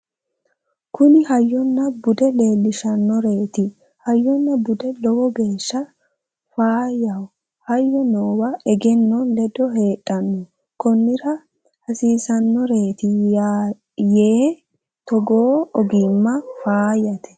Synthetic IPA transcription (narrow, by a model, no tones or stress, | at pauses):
kʊnɪhɐjːɔnːɐbʊd̪ɛle̞ːlːɪʃɐnːɔɾe̞ːt̪ɪ | hɐjːɔnːɐbʊd̪ɛlɔwɔɡe̞ːʃːɐ | faːjɐw | hɐjːɔnoːwɐʔɛɡɛnːɔnlɛd̪ɔɦe̞ːtʼːɐnːɔ | kɔnːɪɾɐ | hɐsiːsɐnːɔɾe̞ːt̪ɪa | jeː | t̪ɔɡoːɔɡɪmːɐfaːjɐt̪ɛ̥